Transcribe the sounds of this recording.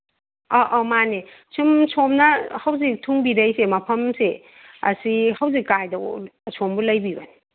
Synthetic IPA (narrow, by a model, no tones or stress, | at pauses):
aʔɔmane | sumsʰomnɐhɐwzik̚tʰuŋbiɾɐjsemɐpʰɐmse | ɐ̰sihɐwzikːajdɐwsʰombulɐjbibɐn